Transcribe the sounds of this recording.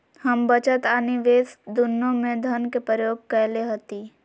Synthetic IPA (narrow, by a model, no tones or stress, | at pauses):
həmbət͡ʃət̪aːniʋeːsd̪ʊnːõmẽd̪ʱənkepɾəjoːɡ̚kɛɦleɦot̪i